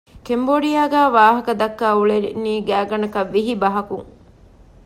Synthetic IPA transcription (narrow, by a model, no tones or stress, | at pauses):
kemboɖijaːɡæːʋaːɦɐkɐd̪ɐkːæːuɭeɾinːiːɡæːɡɐnɐkɐʋːiɦibɐɦɐkuŋ